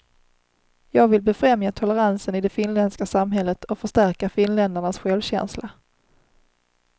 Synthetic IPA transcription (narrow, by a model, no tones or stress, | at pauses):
jɑːɡvɪlbɛfɾɛmjat̪ʰɔləɾansənɪd̪ɛfɪnlɛnskasamɦɛlːət̪ʰɔfœʂʈæɾkafɪnlɛnd̪əɳasɧɛlvɕɛ̰nsla